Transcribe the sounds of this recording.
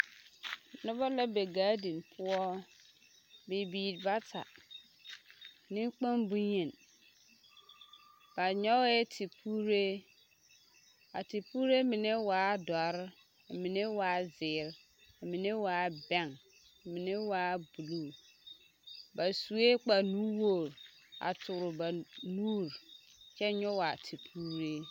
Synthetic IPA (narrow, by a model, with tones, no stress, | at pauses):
nʊ˦bɔ˦la˦be˨ɡaː˨˦di˨npʰʊ˦ɔ˦ | bɪ˨biː˨ɾba˦tʰa̰˨ | nɪ̃˦k͡pa˦nbu˦ɲe˨n | b̥a˨ɲɔ˦ɛ˦tʰi˨pʰu˦ɾe˦ | a̰˨ti˨puː˦ɾe˦mɪ˨ne˦waː˨˦dɔ˨ɾɪ˦˨ | mi˨ne˦waː˨˦zɪː˨ɾ | a˨mi˨ne˦waː˨˦bɛ˦˨ŋ˨ | mi˨ne˦waː˨˦bu˨luː˦˨ | ba˨su˨e˦k͡pa˨nuː˦wo˦˨ɾa̰˨tʰʊ˨ɾʊ˨ba˨nuː˦ɾ | t͡ʃɛ˦ɲɔ˦wa˨tʰi˨pʰuː˦ɾe˦